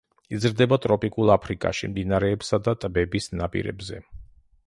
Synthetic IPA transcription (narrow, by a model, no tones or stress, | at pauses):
id̪zɾd̪ɛbat̪ʼɾɔpʼikʼulˠapʰɾikʼa̰ʃḭmd̪inaɾɛːpsad̪at̪ʼbɛbisnapʼḭɾɛ̰bzɛ